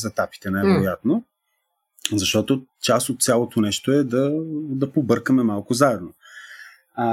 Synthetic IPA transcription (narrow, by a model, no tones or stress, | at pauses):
zɛt̪api̥t̪ɛnajvɛɾojat̪no | zɐʃt̪ɔt̪o | t͡ʃasot̪̚sʲjalˠot̪onɛʃt̪oɛd̪ɐd̪ɐpobɤɾkəmɛmalˠkʊzaɛd̪no